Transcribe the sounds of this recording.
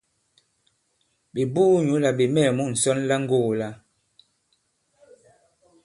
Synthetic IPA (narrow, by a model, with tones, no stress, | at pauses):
ɓe˨buː˦ɲu˨˦la˨be˨mɛ˦˨mu˦˨n̩˨sɔ˦nla˦ŋ̩˦ɡo˦˨la˦